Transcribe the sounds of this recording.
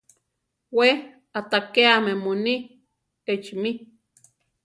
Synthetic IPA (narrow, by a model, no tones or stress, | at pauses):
we | at̪akeamemoni | et͡ʃmi